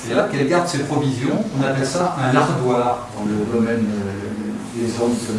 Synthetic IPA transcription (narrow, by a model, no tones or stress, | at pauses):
sɛlakɛlɡaʁd̪sepχɔvizjɔ̃ɔ̃napɛlsaʔɛ̃naʁd̪waʁd̪ɑ̃ləd̪ɔmɛn | d̪ezɔ̃sə